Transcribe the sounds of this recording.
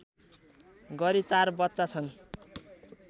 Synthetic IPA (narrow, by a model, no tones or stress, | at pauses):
ɡʌɾit͡sarbʌt̪ːt͡sat͡sʰʌn